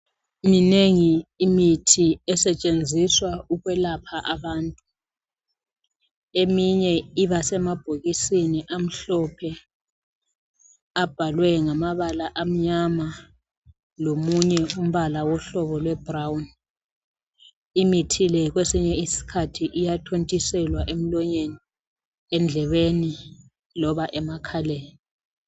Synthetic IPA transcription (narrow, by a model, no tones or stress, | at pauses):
mineŋiːmitʰiɛsɛt͡ʃʼend͡zʱiswauɣwɛlapʰaʔaβaːntʼu | emiɲɛiβasɛmab̥ʱoɣisiniʔam̩ɬɔpʰɛ | ab̥ʱalwɛŋamaβalaʔam̩ɲama | lomuɲɛum̩βalawɔɬɔβɔlwɛb̥rawn | imitʰilɛɣ̬wesiɲɛisi̥kʰatʰiʔijatʰontʼisɛlwaʔem̩lɔɲeni | ɛnd͡ɮʱɛβeni | lɔβaʔɛmakʰalɛːni